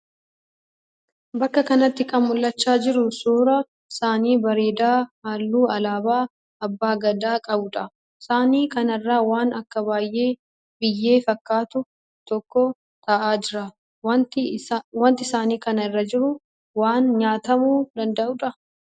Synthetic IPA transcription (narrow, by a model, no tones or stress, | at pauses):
bɐkːɐkɐnɐt̪ːɪkʼɐmmʊlːɐt͡ʃːaːd͡ʒɪɾʊsuːɾɐ | saːniːbɐɾeːd̪aːhaːlːuːɐlaːbaː | ɐbːaːɡɐd̪aːkʼɐbʊᶑɐ | saːniːkɐnɐrːaːwaːnɐkːɐbaːjːe̞ː | bɪjːe̞ːfɐkːaːt̪ʊ | t̪ɔkːɔ | t̪ɐʔaːd͡ʒɪɾɐ | wɐnt̪ɪsaːniːkɐnɐɪrːɐd͡ʒɪɾʊ | waːnɲaːt̪ɐmuːd̪ɐnd̪ɐʔʊᶑɐ